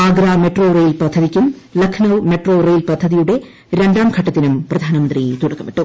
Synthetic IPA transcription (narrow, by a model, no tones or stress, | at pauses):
aːɡɾaːmeʈro̞ːrejlpɐd̪ʱːɐðikʲːumlɐkʰnɐʋme̞ʈroːrejlpɐd̪ʱːɐðijuɽe̞ | ɾe̞ɳɖaːmkʰɐʈːɐt̪ːinumprɐd̪ʱaːnɐmɐnd̪rit̪uɽɐkːɐmiʈːum